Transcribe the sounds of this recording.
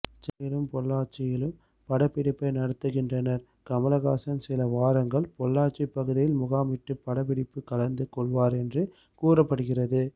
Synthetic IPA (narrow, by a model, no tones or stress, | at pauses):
t͡ʃɐnɪlɯmpɔlːaːʈt͡ʃɪjɪlɯm | pɐɽɐpːɪɽɪpːɐɪnɐɽɐt̪ːɯɣɪndrɐnɐɾ | kɐmɐlɐɣaːsɐnsɪlɐʋaːɾɐŋɡɐɭpɔɭːaːʈt͡ʃɪpːɐɣɯðɪjɪlmʊɣaːmɪʈːɯpːɐɽɐpɪɽɪpːɯkɐlɐnd̪ɯkɔɭʋaːɾɛndrɯ | kuːrɐpːɐɽɯɣɪrɐðɯ